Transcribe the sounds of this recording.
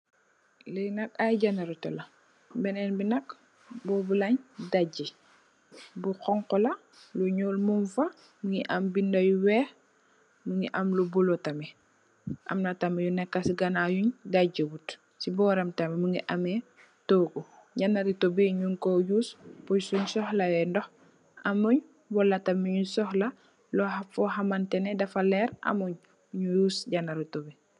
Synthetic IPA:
lɛnɐkajɟanɐɾitɔlɐ | bɛnɛnbinɐk | bɔːbulɐɲdaɟi | buqɔŋqɔlɐ | luɲɔːlmumfɐ | muŋiʔɐmbindɐjuwɛːx | muŋiʔɐmlubulɔtɐmɛ | ʔɐ̰mnɐtɐmɛjunɛkːɐsiɡɐnajuɲɡaɟəwut | sibɔɾɐmtɐmemuŋiʔɐme | toːɡu | ɟanːaɾitobiɲuŋkojuːspɔjsuɲsɔhlɐwɛndɔh | ɐmuɲ | wɔlːɐtɐmiɲusɔhlɐ | lɔhafɔɦamantɛnɛdɐfalɛɾa̰muɲ | ɲujuːsɟanːaɾitobi

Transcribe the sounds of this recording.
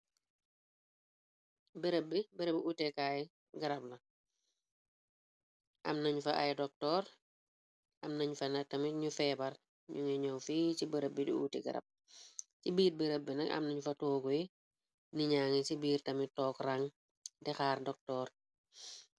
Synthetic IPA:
bəɾəbːibəɾəbutɛkaːjɛ | ɡɐɾab̚lɐ | ʔɐ̰mnɐɲufɐʔa̰jdɔk̚tɔːɾ | ʔɐmnɐɲufɐnɐtɐmiɲufɛːbɐr | ɲuŋɛɲɔwfiːt͡ʃibəɾəbːidṵṵːtɛ̰ɡɐ̰ɾɐ̰b̚ | t͡ʃibiːɾbəɾəbːinɐkɐ̰mnɐɲufɐtoːɡuji | niɲaːŋisibiːrtɐmitɔːkraŋ | dɛxaːrdɔk̚tɔːr

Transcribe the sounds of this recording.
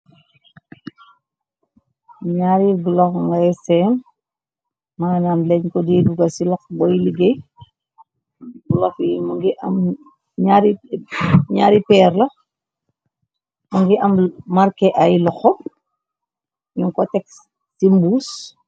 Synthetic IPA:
ɲaɾiɡlɔŋɡasɛːm | maːnaːmlɛɲkɔdiːduɡɐsilɔxbɔjiliɡej | ɡulɔfimɐŋɡiʔɐ̰m | ɲaɾi | ɲaːɾipɛːɾlɐ | mɐŋɡiʔɐmmɐrkɛʔɐjlɔxɔ | ɲuŋkɔtɛk | simbuːs

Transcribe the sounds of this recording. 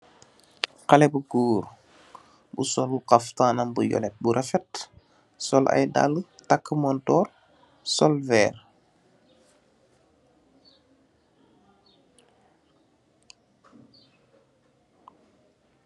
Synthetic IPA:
qalɛbuɡuːɾ | bṵsɔlbuqaftaːnambujɔ̰lɛt̚buɾʔafɛt | sɔlʔa̰jda̰lːətakːəmɔntɔːr | sɔlvɛːr

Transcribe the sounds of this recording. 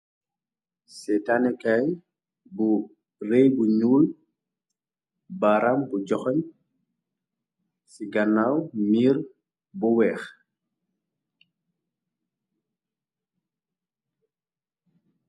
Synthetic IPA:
sɛtanɛkaj | bu | rejbuɲuːl | baɾambuɟɔxɔɲ | siɡɐnːawmiːɾ | buwɛːx

